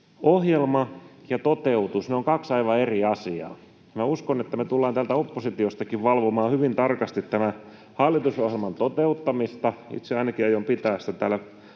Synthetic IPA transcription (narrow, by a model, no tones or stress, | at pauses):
ohjelmɑjɑt̪ot̪eut̪usneoŋkɑksɑiʋɑeriɑsiɑ̰ː | mæuskonet̪ːæmet̪ulːɑːnt̪ælt̪æopːosit̪iost̪ɑkiʋʋɑlʋomɑːhyʋint̪ɑrkɑst̪it̪t̪ːæmæ | hɑlːit̪usohjelmɑnt̪ot̪eut̪ːɑmist̪ɑḭt̪seɑinɑkiɑjompit̪æːst̪æt̪æːlːæ